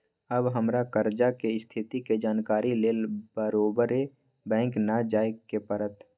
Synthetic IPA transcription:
əbɦəmɾakəɾd͡ʒakeɪst̪ʰɪt̪iked͡ʒaːnkaːɾileːlbəɾoːbəɾe | bɛ̃ːŋknad͡ʒaːekepəɾət̪

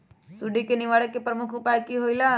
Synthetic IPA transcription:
suɖikenɪʋaːɽəkːepɾəmʊkʰʊpajkiɦoila

